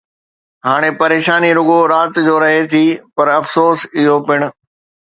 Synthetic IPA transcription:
ɦaːɽ̃epɐɾeːʃaːniɾʊɠoɾaːt̪d͡ʑoːɾɐɦet̪ʰiːpɐɾɐfsoːsɪɦopɪɽ̃ʊ̆

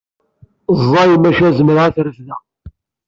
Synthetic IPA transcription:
zˤːɑjəmæʃæzəməɾʁaθɾəfðæ

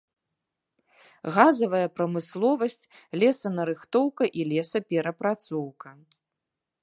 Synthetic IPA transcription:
ɣazɐvɐjɐpɾɐmɨslˠɔvɐsʲt͡sʲ | lʲɛsɐnɐɾɨxt̪ɔwkɐʔilʲɛsɐpʲɛɾɐpɾat̪sɔwkɐ

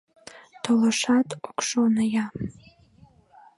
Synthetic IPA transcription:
tʰolaʂatʰʼukʷʰʂonaja

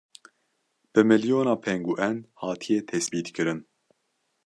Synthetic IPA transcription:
b̥ɨmɨljoːnɑːpʰɛŋɡuːʔɛnhɑːt̪ʰijɛt̪ʰɛsbiːt̪kɨɾɨn

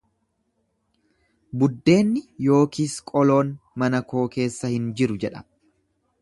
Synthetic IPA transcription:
bʊd̪ːe̞ːnːɪjo̞ːkiːskʼɔlo̞ːnmɐnɐko̞ːke̞ːsːɐhɪnd͡ʒɪɾʊd͡ʒɛᶑɐ̥

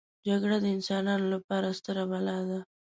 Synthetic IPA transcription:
d͡ʒaɡɽad̪əɪnsɑnɑnolapɑɾast̪əɾabalɑd̪a

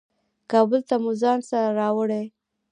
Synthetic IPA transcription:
kɑbʊlt̪amuzɑnsaɾɾɑwəɽe

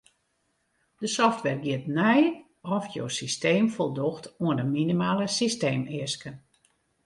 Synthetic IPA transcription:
d̥əsɔftʋɛrɡiətnɛj | ɔfjo̰ːsisteːmfolˠdoxtuəndəminimaːləsisteːmɪəskən

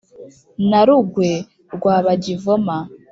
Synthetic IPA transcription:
naɾuɡwe | ɾɡwaːβaɟivoma

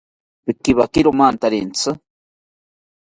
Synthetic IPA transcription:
pikiβakiɾomant̪aɾḭnt͡sʰɨ

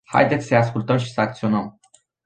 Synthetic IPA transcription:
ha̰jd̪e̞t̪sʲsəaskult̪əmʃi̥səak̚t̪sio̞nəm

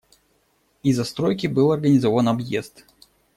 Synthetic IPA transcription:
izɐst̪ɾojkʲɪbɨlˠɐrɡənʲɪzovənɐbjḛst̪

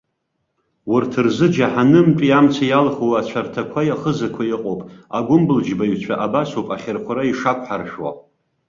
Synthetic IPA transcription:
wʊrtʰɨrzɨd͡ʒaħanɨmpʼiamt͡sʰajalχowat͡ɕʷʰartʰakʷʰajaχəzakʷʰajiqʼopʼaɡʷʊmbɨld͡ʒbajɥt͡ɕʷʰaʔabasopʼaχʲɪrχʷʰaɾaiʂakʷʰʼħarʃwa̰

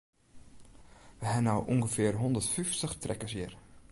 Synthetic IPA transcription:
ʋəɦɛnawʔuŋɡəfɪərɦɔndərtfyftəχtrʔɛkəsjir

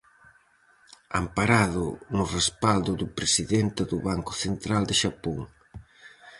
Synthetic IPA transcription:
a̰mpaɾaðʊnʊrespald̪ʊðʊpɾesiðent̪ɪðʊβaŋkʊ̥θent̪ɾald̪ɪʃapoŋ

